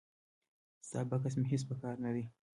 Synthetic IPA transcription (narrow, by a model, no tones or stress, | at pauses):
sa̰ːbakasmeɦes̬pəkɑːɾnad̪i